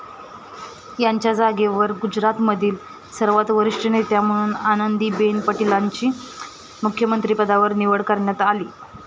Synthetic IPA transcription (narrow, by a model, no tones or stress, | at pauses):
jaɲt͡ɕjad͡zaɡeʋəɾɡud͡ʑɾat̪məd̪ʱiːl | səɾʋat̪ʋəɾiʂʈənet̪jam̤əɽ̃uːnanənd̪iːbenpəʈilaɲt͡ɕiː | mukʰːjəmənt̪ɾipəd̪aʋəɾniʋəɽkəɾɳjat̪aliː